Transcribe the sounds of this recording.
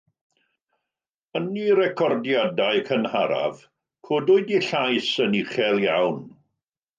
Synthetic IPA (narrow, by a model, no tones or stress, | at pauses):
əniɾɛkʰɔrdjadaɨkʰənhaɾa̰v̥ | kʰoːdʊɨdiɬajsəniχɛlˠjawn